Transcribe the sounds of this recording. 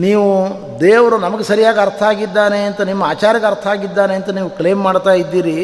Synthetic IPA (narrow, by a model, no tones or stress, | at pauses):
niːʋu | d̪eːʋɐɾunɐmɐɡesɐɾijaːɡɐɐɾt̪ʰɐaːɡid̪ːaːneɐnt̪ɐnimːɐaːt͡ʃaːɾjɐɡɐɾt̪ʰɐaːɡid̪ːaːneɐnt̪ɐniːʋukle̞ːmːaːɽt̪aːjid̪ːiːɾi